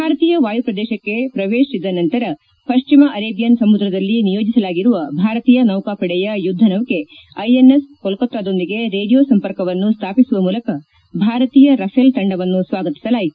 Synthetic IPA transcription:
bbʱaːɾɐt̪iːjɐʋaːjupɾɐd̪ɛːʃɐkːe̞pɾɐʋeːʃid̪ːɐnɐnt̪ɐɾɐ | pɐʃt͡ʃimɐʔɐɾeːbjɐnsɐmud̪ɾɐd̪ɐlːinijo̞ːd͡ʒisɐlaːɡiɾuʋɐbʱaːɾɐt̪iːjɐnɐwkaːpɐɽɛjɐjud̪ʱːɐnɐʋke̞ | ɐjenːeskɔlkot̪ːaːd̪o̞nd̪iɡe̞ɾeːɽijoːsɐmpɐɾkɐʋɐnːust̪ʰaːpisuʋɐmuːlɐkɐ | bʱaːɾɐt̪iːjɐɾɐpʰelt̪ɐɳɖɐʋɐnːusʋaːɡɐt̪i̥sɐlaːjit̪u

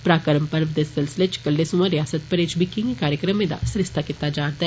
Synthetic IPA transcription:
pɾaːkəɾəmpəɾʋd̪esɪlsɪlet͡ʃkəlɖesumãɾɪjaːsət̪̚pəɾeːt͡ʃbikĩŋɡikaːɾjəkɾəmẽd̪a̰sɾɪst̪ʰakɪt̪ːad͡ʒaːɾd̪aɦɛ

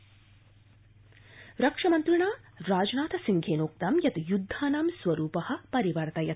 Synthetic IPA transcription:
ɾɐkʂɐmɐnt̪ɾiɳaːɾaːd͡ʒnaːt̪ʰɐsiŋɡʰʱeːnoːk̚t̪ɐmjɐt̪jud̪ʱːaːnaːmsʋɐɾuːpɐhɐ̆pɐɾiʋɐɾt̪ɐjɐt̪

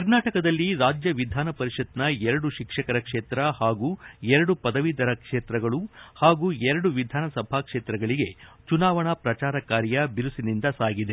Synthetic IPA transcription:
kkɐɾnaːʈɐkɐd̪ɐlːiɾaːd͡ʒjɐʋid̪ʱaːnɐpɐɾiʂɐt̪nɐɛɾɐɽuʃikʂɐkɐɾɐkʂeːt̪ɾɐhaːɡuːɛɾɐɽupɐd̪ɐʋid̪ɐɾɐkʂeːt̪ɾɐɡɐɭuhaːɡuːɛɾɐɽuʋid̪ʱaːnɐsɐbʱakʂeːt̪ɾɐɡɐɭiɡe̞t͡ʃunaːʋɐɳɐpɾɐt͡ʃaːɾɐkaːɾjɐbiɾusinind̪ɐsaːɡid̪e

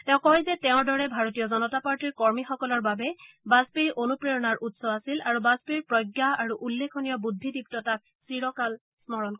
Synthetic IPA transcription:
tɛʊ̃kɔjzɛtɛʊ̃ɹdɔɹɛbʱaɹotijɔzɔnɔtapaɹtiɹkɔɹmixɔkɔlɔɹbabɛ | bazpiɹʔonupɹejɔnaɹʔutsɔasilaɹubazpiɹpɹɔjɡjaaɹuʔulːekʰɔnijɔbud̪ʱːidip̚tɔtak̚sɹiɹɔkal | smɔɹɔnkɔ

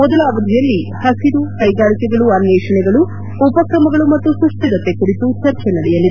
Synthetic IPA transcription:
mɔd̪ɐlaːʋɐd̪ʱijɐlːihɐsid̪ukɐjɡaːɭikɛɡɐɭuɐnjɛːʂɐɳɛɡɐɭu | upɐkɾɐmɐɡɐɭumɐt̪ːusɾuʂʈ̪ɐɡɐt̪ːe̞kuɾit̪ut͡ʃɐɾt͡ʃɛnɐɽɛjɐlːid̪e

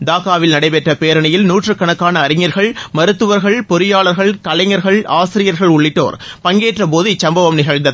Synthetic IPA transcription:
d̪aːkaːʋɪlnɐɽɐɪpɛʈrɐpeːɾɐɳɐjɪlnuːʈrɯkːɐɳɐkːaːnɐːɾɪŋɐɾɣɐɭmɐɾɯt̪ːɯʋɐɾɣɐɭpɔɾɪjaːɭɐɾɣɐɭkɐlɐɪŋɐɾɣɐɭaːsɪɾɪjɐɾɣɐɭʊɭːɪʈːo̰ːɾpɐŋɡeːʈrɐp̬oːðɯt͡ʃːɐmbɐʋɐmnɪɣɐɻnd̪ɐð

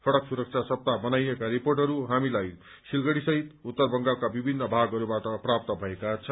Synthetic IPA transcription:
pʰʌɽʌksuɾʌk̚t͡sʰasʌp̚t̪abʌnajekaɾiporʈʌɾuɦamilaj | silɡʌɽisʌɦit̪ut̪ːʌrbʌŋɡalkabibʱinːʌbʱaɡʌɾubaʈʌprap̚t̪ʌbʱʌekat͡sʰʌ

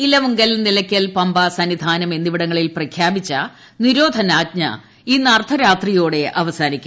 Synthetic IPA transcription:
ilɐʋuŋɡɐlnilɐkʲːɐlpɐmbɐsɐnːid̪ʱaːnɐme̞nd̪iʋiɽɐŋːɐɭilprɐkʰjaːbit͡ɕːɐ | niɾo̞ːd̪ʱɐnaːd̚ɲɐ̰ | iːnɐrt̪ʰɐɾaːt̪rijo̞ːɽe̞ʔɐʋɐsaːnikʲːum

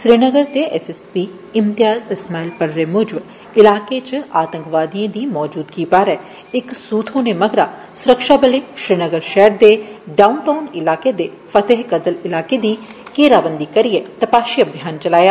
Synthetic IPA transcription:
ʃɾiːnəɡəɾt̪eːʔɛːsɛspiː | ɪmt̪ɪjaːzɪsmaːilpəɾɾeːmʊd͡ʒb | ɪlaːket͡ʃaːt̪ə̃ŋkʋaːd̪iẽːd̪iːmɔːd͡ʒuːd̪kiːpaːɾɛ | ɪksuːt̪ʰõːneməɡɾaː | sʊɾəkʃaːbəleːʃɾiːnəɡəɾʃɛːɾd̪eːɖaːʊnʈaːʊnɪlaːked̪eː | fʰət̪eɦɡəd̪əlɪlaːked̪iːkeːɾaːbənd̪iːkəɾɪeːt̪əpaːʃiːəbʱjaːnt͡ʃəlaːjaː

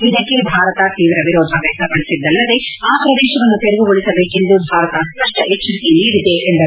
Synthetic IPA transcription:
id̪ɐkːe̞bʱaːɾɐt̪ɐt̪iːʋɾɐʋiɾɔːd̪ʱɐʋɛːsɐpɐɽisid̪ːɐlːɐd̪e̞aːpɾɐd̪eːʃɐʋɐnːut̪eɾeɡuɡoɭisɐbeːkend̪ubʱaːɾɐt̪ɐspɐʂʈɐʔet͡ʃːɐɾit̪iniːɽid̪eʔend̪ɐ

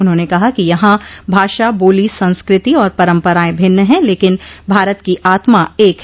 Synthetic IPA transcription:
ʊnɦõːnekɐɦakijɐɦãbʱaːʃaboːlisɐ̃nskɾɪt̪iɔːɾpɐɾə̃mpəɾaːẽbʱɪnːəɦɛ̃leːkɪnbʱaːɾət̪kiʔaːt̪maeːk

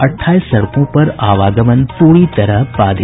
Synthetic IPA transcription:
əʈʰːaːjsəɭkõpəɾaʋaɡəmənpuɽit̪əɾəɦpad̪ʱ

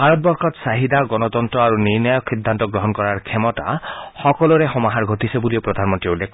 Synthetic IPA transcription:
bʱaɾɔt̪̚bɔɾkʰɔt̪saɦid̪ʱaɡɔnɔt̪ɔnt̪ɾɔaɾuniɾnajɔksid̪ʱːant̪ɔɡɾɔɦɔnkɔɾaɾkʰemɔta̰xɔkɔlɔɾexɔmaɦaɾɡʱɔt̪isebuliopɾɔd̪ʱanmɔnt̪ɾiulːekʰ

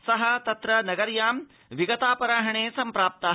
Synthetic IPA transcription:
sɐɦɐt̪ɐt̪ɾɐnɐɡɐɾjaːm | ʋiɡɐt̪aːpɐɾaːɦɐɳeːsɐmpɾaːp̚t̪ɐ

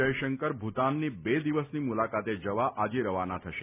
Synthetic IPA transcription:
əjʃəŋkəɾbʱut̪anːibed̪iʋəsnimulakat̪ed͡ʒəʋaʔad͡ʒeɾəʋanat̪ʰəʃe

